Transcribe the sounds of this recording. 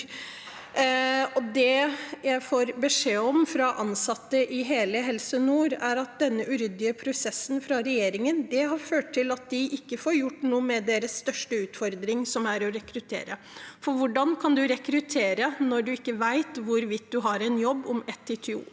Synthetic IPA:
ɔd̪ɛjæɪfoːɾbəʂeːɔmfɾɑʔɑnsɑt̪ːəʔɪɦeːləɦɛlsənuːɾæɾɑt̪̚d̪ɛnːəʔʉɾʏd̪ɪəpʰɾʊsɛsːn̩fɾɑɾɛjeːɾɪŋənd̪ɛɦɑɾføːʈ̚ʰːɪlɑt̪̚d̪ɪʔɪkːəfoːɾjʊʈːnuːəmɛd̪eːɾəsːt̪œʂʈəʉːt̪fɔɾd̪ɾɪŋsɔmæɾɔɾɛkɾʉt̪ʰḛːɾə | fɔɾʋʊɖɑnkʰɑnd̪ʉɾɛkɾʉt̪ʰeːɾənɔɖʉɪkːəʋæɪt̪ʋʊɾʋɪt̪̚d̪ʉɦɑɾɛɪnjɔbːɔmɛt̪ʰːɪt̪ʰɪṵː

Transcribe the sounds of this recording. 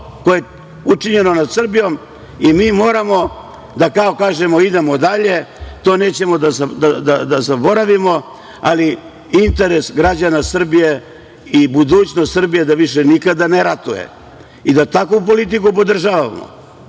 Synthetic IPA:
kojee | ut͡ʂiɲe̞no̞nad̪sr̩bijo̞m | imiːmo̞ːɾamo̞ | d̪akaokaːʒe̞mo̞id̪e̞mo̞d̪aʎe̞t̪o̞ːne̞ːt͡ɕe̞mo̞d̪azad̪ad̪ad̪azabo̞ɾaʋimo̞ | ali | int̪e̞ɾe̞sɡɾad͡ʑanasr̩bije̞ | ibud̪uːt͡ɕnost̪srbije̞d̪aʋiʃe̞nikad̪aneɾat̪ujḛ | id̪at̪akup̬o̞lit̪̬ikupo̞d̪r̩ʒaːʋaʋa̰mo̰

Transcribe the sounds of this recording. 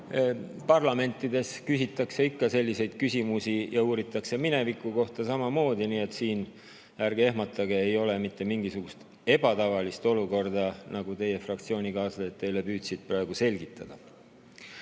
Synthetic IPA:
pɑrlɑme̞nt̪ˑːid̪e̞skysit̪ːˑɑkse̞ikːɑse̞lʲːise̞jd̪̥kysʲimusijɑuːɾit̪ːˑɑkse̞mine̞vikːˑuko̞ht̪ɑsɑmɑmo̞ːd̪̥iniːe̞t̪siːn | jærɡ̥e̞ɦmɑt̪ːˑɑɡeejo̞le̞mit̪ːe̞miŋɡ̥isuɡ̥ust̪ | e̞b̥ɑt̪ɑvɑlist̪o̞luko̞rd̪ɑnɑɡ̥ut̪e̞je̞frɑk̚t̪sio̞ːnʲikɑːslet̪ːe̞jle̞pyːt̪sid̪̥̚prɑe̞ɡ̥use̞lʲɡit̪ːˑɑd̪̥ɑ

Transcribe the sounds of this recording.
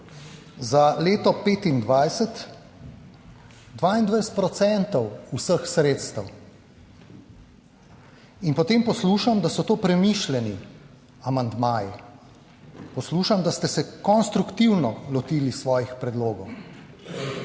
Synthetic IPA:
zaleːt̪ɔpeːt̪ind̪ʋajsɛt̪ | d̪ʋaːind̪ʋɛjsɛ̥t̪̚pɾɔt̪sɛnt̪ɔwusəxsɾeːt̪st̪ɐw | inpɔt̪eːmpɔsluːʃamd̪asɔt̪oːpɾɛmiːʃlɛni | amand̪maːji | pɔsluːʃamd̪ast̪ɛsɛkɔnst̪ɾukt̪iwnɔlɔt̪iːlisʋɔːjixpɾɛd̪loːɡɔw

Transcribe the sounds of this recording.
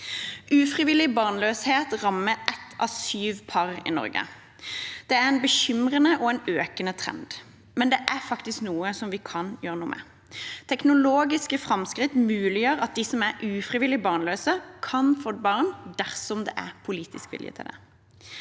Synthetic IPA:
ʔʉːfʁɪʋɪlːɪbɑʁnløːsheːt̪ʁɑmːəɛt̪ʰːʔɑ̰syːʋpʰɑʁɪ̰nɔ̰ɾɡə̰ | d̪̥ɛæɾɛnbəɕʏmʁənəʔɔɛnøːkənət̪ʰʁɛ̰nd̪ | mɛnd̪ɛʔæfɑkt̪ɪsknuːəsɔmʋɪkʰɑnjøːʁənuːəmɛ̰ | t̪ʰɛknʊloːɡɪskəfʁɑmskʁɪt̪mʉːlɪjøːɾɑt̪̚d̪ɪsɔmæɾʉːfʁɪʋɪlːɪbɑːʁnløːsəkʰɑnfod̪̚bɑːʁnd̪æʁsɔmd̪ɛ̰ʔæpʰʊliːt̪ɪ̰skʋɪ̰ljə̰t̪ʰɪ̰ld̪ɛ̰

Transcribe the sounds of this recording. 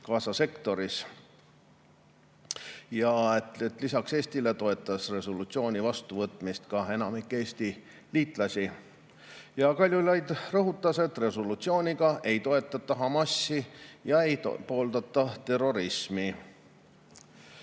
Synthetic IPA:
kɑːsɑse̞kt̪o̞ɾis | jɑet̪et̪ːˑlisɑkse̞ːsʲt̪ile̞t̪o̞e̞t̪ːˑɑsre̞solut̪sio̞ːnʲivɑst̪uvɤt̪ːˑmist̪kɑe̞nɑmikːˑe̞ːsʲt̪i | liːt̪ˑlɑsʲi | jɑkɑlʲjulɑjd̪rɤɦut̪ːˑɑse̞t̪ːre̞solut̪sio̞ːnʲiɡ̥ɑe̞jt̪o̞e̞t̪ːˑɑt̪ːɑɦɑmɑsːijɑe̞j̰po̞ːld̪̥ɑt̪ːˑɑt̪e̞ro̞ɾismi

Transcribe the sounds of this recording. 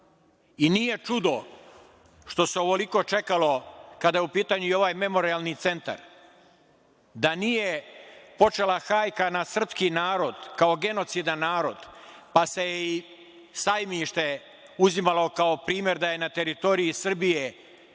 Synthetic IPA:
inije̞t͡ʃud̪o̞ | ʃt̪o̞seo̞ʋo̞liko̞t͡ʃe̞kalo̞kad̪ajupiːt̪aɲuio̞ʋajme̞mo̞ɾialˠnit̪se̞nt̪a̰ɾ | d̪anije̞po̞t͡ʃe̞laxaːjkanasr̩pskinaːɾo̞d̪kao̞ɡe̞no̞t̪sid̪anːaːɾo̞d̪̥pase̞jei | sajmiʃt̪e̞ | uzimalˠo̞kao̞pɾiːmjeɾd̪aje̞nat̪eɾit̪o̞ɾiisr̩bije̞

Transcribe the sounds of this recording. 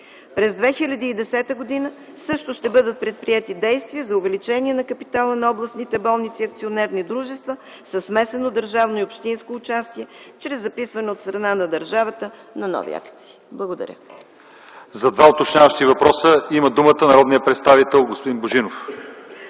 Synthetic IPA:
pɾɛzd̪vɛxilʲɐd̪iːd̪ɛsɛt̪əɡod̪inə | sɤʃt̪oʃt̪ɛbɤd̪ət̪̚pɾɛt̪̚pɾiɛt̪id̪ɛjst̪viəzɐʊvɛlit͡ʃɛniɛnɐkɐpit̪alˠənɐɔblˠɐsnit̪ɛbɔlˠnit̪siɐk̚t̪sionɛɾnid̪ɾuʒɛst̪və | sɐsmɛsɛnod̪əɾʒavnoiopʃt̪inskoːt͡ʃast̪iɛt͡ʃɾɛzːɐpisvɐnɛot̪st̪ɾɐnanɐd̪əɾʒavət̪ə | nɐnɔ̰vḭa̰kt̪si̥ːblˠɐɡod̪ɐ̰ɾʲə̰ | zɐd̪vaot̪ot͡ʃɲʲavəʃt̪ivɐpɾɔsəiməd̪umət̪ənɐɾɔd̪nijəpɾɛt̪st̪avit̪ɛlˠɡospʊd̪inboʒinof

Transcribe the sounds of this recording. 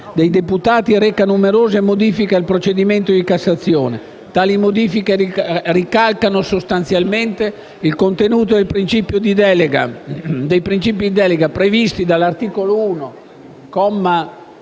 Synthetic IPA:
d̪ejd̪eput̪aːt̪iɾɛkanumeɾoːzemod̪iːfikealpɾot͡ʃed̪iment̪od̪ikasːat̪sːjoːne | t̪aːlimod̪iːfikerikalkanosost̪ant̪sjalment̪e | ilkont̪enuːt̪od̪elpɾint͡ʃipjod̪id̪ɛleɡad̪ejpɾint͡ʃiːp̬id̪id̪ɛleɡapɾevist̪id̪alart̪iːkolouːno | kɔmːa

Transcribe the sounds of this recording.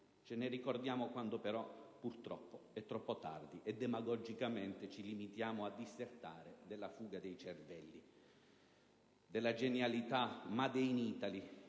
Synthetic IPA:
t͡ʃɪnɪrikɔrd̪jaːmokwand̪opɛɾɔpurt̪ɾɔpːoɛt̪ːɾɔpːot̪a̰rd̪iʔɛd̪ːɛmaɡɔd͡ʒikament̪ɪt͡ʃilimit̪jaːmoad̪ːisert̪aːɾed̪ɛlːafuːɡad̪ejt͡ʃɛrvɛlːi | d̪ɛlːad͡ʒenjalit̪amad̪ɛjniːt̪ali

